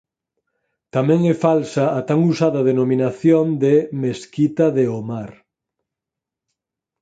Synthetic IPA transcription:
t̪amɛ̃ŋɛfalsaːt̪aŋusaðɐðenomĩnaθjond̪emeskit̪ɐðeomaɾ

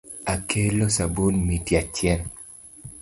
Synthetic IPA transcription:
akʰelosabunmitjat͡ʃjɛn

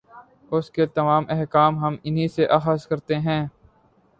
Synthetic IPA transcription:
ʊsket̪ɐmaːmɛɦkaːmɦɐmɪnɦiseʔɐːxəskɐɾt̪eɦɛ̃ː

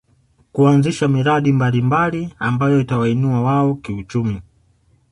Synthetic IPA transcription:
kuanziʃamiɾaɗimbalimbaliambajɔitawainuawaɔkiut͡ʃumi

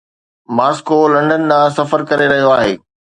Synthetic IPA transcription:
maːskolɐ̃ɳɖənd̪ãːsɐfəɾkɐɾeɾɐɦijoaːɦeː

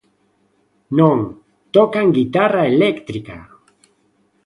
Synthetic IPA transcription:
noŋ | t̪okaŋɡit̪araelekt̪ɾika̰

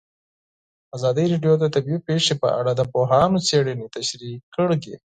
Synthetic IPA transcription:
azɑd̪iɾeɖijod̪at̪abiipeʂepə̰ʔaɽad̪əpoɦɑnot͡seɽənet̪aʃɾikːəɽɡḛ

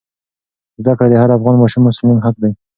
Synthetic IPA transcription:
zd̪akɽad̪əhaɾafɣɑnmɑʃumːʊsɪlmiŋɦaq̚d̪aj

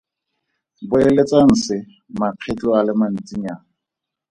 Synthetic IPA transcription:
bʊelet͡sʼan̩sɪ | maq͡χʰɛt͡ɬʼɔalɪman̩t͡sʼiɲaːŋ

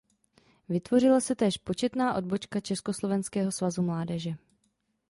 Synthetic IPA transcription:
vɪt̪vo̞rɪlasɛt̪ɛːʃpo̞t͡ʃɛt̪naːʔo̞dbo̞t͡ʃkat͡ʃɛsko̞slo̞vɛnskɛːɦo̞svazumlaːdɛʒɛ

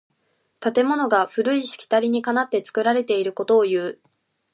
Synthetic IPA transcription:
t̪at̪e̞mo̞no̞ɡaɸɯ̟ɾɯ̟iɕi̥kʲi̥t̪aɾʲiɲ̟ikanat̪ːe̞t͡sɨ̥kɯ̟ɾaɾe̞t̪e̞iɾɯ̟ko̞t̪o̞ːjɯ̟ː

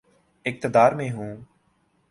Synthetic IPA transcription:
ɪk̚t̪əd̪aːɾmẽːɦũː

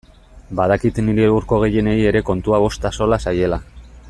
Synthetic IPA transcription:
baðakit̪niɾeuɾko̞ɣe̞je̞ne̞ie̞ɾe̞ko̞nt̪uaβ̞o̞st̪aso̞lasaje̞la

